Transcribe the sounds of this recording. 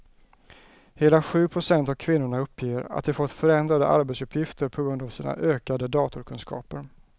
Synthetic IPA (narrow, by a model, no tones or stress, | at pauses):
heːlaɧʉ̟ːpʰɾʊsɛnt̪avkʰvɪnːʊɳaɵpʰːjeːɾa̰t̪̚d̪ɛfɔt̪ːfœɾɛnd̪ɾad̪ə̰ʔa̰ɾbɛt̪sɵpʰːjɪft̪əɾpʰɔɡɾɵnd̪avsiːna̰ʔøːkad̪əd̪ɑːt̪ʊɾkʰɵnskʰɑ̰ːpəɾ